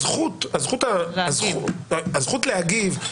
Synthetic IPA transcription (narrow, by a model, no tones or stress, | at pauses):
zχut̪azχut̪azuazχut̪lehaɡiv